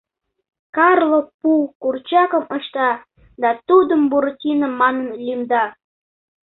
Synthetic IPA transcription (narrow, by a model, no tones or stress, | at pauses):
kɑrlok̚pukurt͡ɕɑkəməʃt̪ɑ | d̪ɑt̪ud̪əmbuɾotʲinəmːɑnənlymd̪ɑ